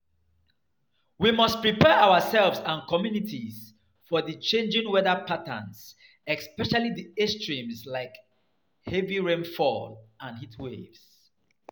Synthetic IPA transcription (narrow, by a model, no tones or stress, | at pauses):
wimʌst̚pɹipɛʔawəsɛlvsãnkʰɔmjunitʰiz | fɔðit͡ʃẽnd͡ʒɪ̃ŋwɛðəpʰatə̰̃ns | ɛspɛʃaliðiɛstʰɹĩmslaɪk | hɛviɹẽnfɔ̰lãnhitʰwevs